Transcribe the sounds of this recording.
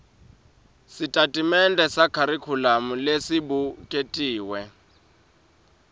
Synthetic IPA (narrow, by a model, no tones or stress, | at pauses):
sitʼatʼimɛndɛsakʰaɾikʰulamulesibukʼetʼiːwɛ